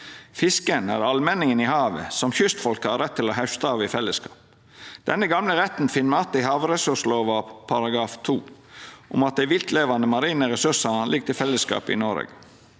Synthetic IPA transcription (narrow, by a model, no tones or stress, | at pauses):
fɪskənæ̰ɾɑlmɛnɪŋənɪhɑːʋə̰sɔmçʏst̪fɔlkəhɑɾɾɛt̪ʰːɪlɔɦæʉʃt̪əɑʋɪfɛlːəskʰɑ̰ːp̚ | d̪̥ɛnːəɡɑmləɾɛt̪n̩fɪnmɑt̪d̪ɪhɑːʋɾɛsʉʂloːʋɑpʰɑɾɑɡɾɑːft̪ʰuː | ʔʊ̰mɑt̪̚d̪æɪʋɪlt̪leːʋɑnd̪əmɑɾiːnəɾɛsʉsɑnlɪɡ̚t̪ɪlfɛlːəskɑ̰ːpɪ̰nɔɾə̰ɡ